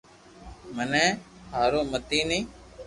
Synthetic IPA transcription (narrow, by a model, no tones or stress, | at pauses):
mənẽːhaːɾoːmət̪iːnĩː